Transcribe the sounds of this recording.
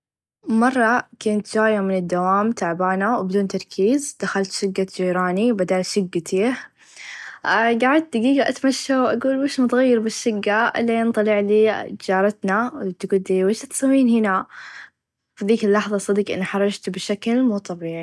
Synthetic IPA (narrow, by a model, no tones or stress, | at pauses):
mɑrˤːɑkeːnt̪d͡ʒaːjamɪnɪd̪ːawaːmt̪aʕbaːnawbɪd̪uːnt̪ɑɾˤkʰiːzd̪̥axalt̪ʃɪɡːad͡ʒiːɾaːnibad̪aːlʃɪɡːat̪ʰiːh | ɡaʕd̪̚d̪aɡiːɡaʔat̪maʃːawʔaɡuːlweːʃmʊt̪ˤɣajːɪɾbɪʃːɪɡːaʔɪ̰lːiɪnt̪ˤɑlɪʕliːd͡ʒɑːɾˤɑt̪nawt̪ɡuːld̪iweːʃat̪samːiːnhɪna | fiðiːkɪlːɑħðˤɑsˤɑd̪iːkʔɪ̰nːaħɑɾˤːɑd͡ʒt̪bɪʃaklmuːt̪ˤɑbiːʕi